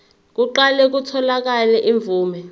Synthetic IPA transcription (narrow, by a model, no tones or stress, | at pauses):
k̬uǃalɛk̬utʰɔlak̬alɛʔiɱb̪vuːmɛ